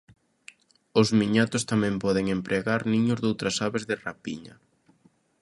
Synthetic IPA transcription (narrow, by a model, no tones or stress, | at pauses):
ʊzmiɲat̪ʊst̪amɛ̃mpɔðɪŋempɾʔeɣaɾnĩɲʊzðowt̪ɾasaβezðɪrapiɲɐ̰